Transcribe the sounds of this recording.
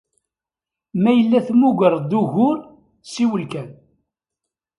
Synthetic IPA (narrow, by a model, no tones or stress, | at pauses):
mæjəlːæθmuɡəɾˤd̪uɣʊɾ | siwəlkæn